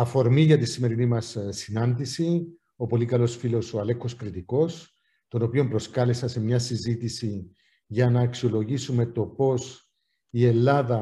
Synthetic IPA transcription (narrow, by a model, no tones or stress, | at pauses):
ɐfo̞ɾmiʝɐt̪isime̞ɾinimɐssinɐnd̪isi | o̞po̞likɐlo̞sfilo̞soɐle̞kːo̞skɾit̪iko̞s | t̪o̞no̞pio̞mpɾo̞skɐle̞sɐse̞mɲɐsizit̪isi | ʝɐnɐːksio̞lo̞ʝisume̞t̪o̞po̞s | ie̞lːɐðɐ